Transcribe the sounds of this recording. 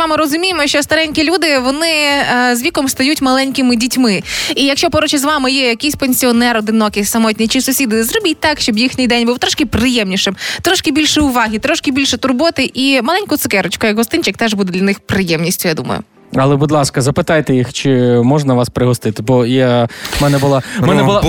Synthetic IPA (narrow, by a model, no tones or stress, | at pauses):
ʋɑmɪɾɔzʊmʲijemɔʃt͡ʃɔst̪ɐɾɛnʲkʲilʲud̪ɪʋɔnɪzʋʲikɔmst̪ɐjutʲmɐlˠɛnʲkɪmɪdʲitʲmɪijɐkʃt͡ʃɔpɔɾɔt͡ʃɪzʋɑmɪjɛjɐkɪjsʲpenʲsʲiɔnɛɾɔd̪ɪnɔkɪsɐmɔtʲnʲijt͡ʃɪsʊsʲid̪ɪzɾɔbʲit̚ʲt̪ɑkʃt͡ʃɔbjixnʲijd̪ɛnʲbuwt̪ɾɔʃkɪpɾɪjɛmnʲiʃɪmt̪ɾɔʃkɪbʲilʲʃɛʊʋɑɦʲit̪ɾɔʃkɪbʲilʲʃɛt̪ʊrbɔt̪ɪʔimɐlˠɛnʲkʊt̪sɪkɛɾʊt͡ʃkʊjɐɡɦɔst̪ɪnʲt͡ʃɪk̚t̪ɛʒbud̪ɛdlʲɐnɪxpɾɪjɛmnʲisʲtʲʊjad̪ṵmɐ̰jʊ̰ | ɐlˠɛbud̪lˠɑskɐzɐpɪt̪ɑjt̪ɛjixt͡ʃɪmɔʒnɐʋɑspɾɪɦɔst̪ɪt̪ɪbɔjamɛnɛbʊlˠamɛnɛbʊlˠ